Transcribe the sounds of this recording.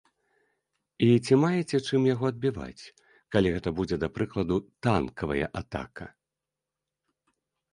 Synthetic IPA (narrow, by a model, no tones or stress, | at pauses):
it͡sʲimajɛt͡sʲɛt͡ʂɨmjaɣɔɐd̪̚bʲiva̰t͡sʲ | kalʲiɣɛt̪ɐbud͡zʲɛd̪ɐpɾɨklˠɐd̪ut̪ankʰɐvɐ̰jɐ̰ʔat̪a̰kʰɐ̰